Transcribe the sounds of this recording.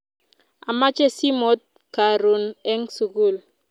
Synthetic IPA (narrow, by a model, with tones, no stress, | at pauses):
a˨ma˦t͡ʃe˦si˦mo˦t̪̚ | ka˨ɾu˨nɛ˦ŋsu˨ku˦˨l